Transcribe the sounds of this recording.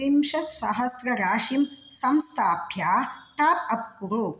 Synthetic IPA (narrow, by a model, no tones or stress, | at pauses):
imʃɐa̰ɦɐsɾɐɾaːʃimsɐmst̪ʰaːbʱjaːt̪aːpɐp̚kuɾu